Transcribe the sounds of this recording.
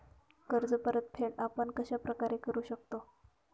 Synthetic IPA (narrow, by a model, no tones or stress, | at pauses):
kəɾd͡zəpəɾət̪̚pʰeɽapəɳkəɕapɾəkaɾekəɾuːɕəkt̪o